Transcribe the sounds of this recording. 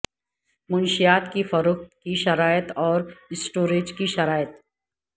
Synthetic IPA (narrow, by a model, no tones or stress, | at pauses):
mʊnʃijaːt̪kifɐɾʊxt̪kiʃɐɾaːjət̪ɔːɾɪsʈoːɾeːd͡ʒkiʃɐɾaːjət̪